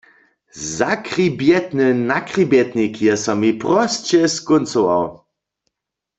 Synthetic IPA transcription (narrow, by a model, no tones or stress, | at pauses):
zakʁibjɛt̪nɘnakʁibjɛt̪nikjɛsɔmipʁɔst͡ɕɛskʊnt͡sɔwa̰w